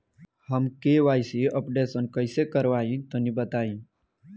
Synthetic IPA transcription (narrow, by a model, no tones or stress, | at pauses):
həmkeʋajsiəpɖesənkəjsekəɾʋaĩt̪ənibət̪aĩ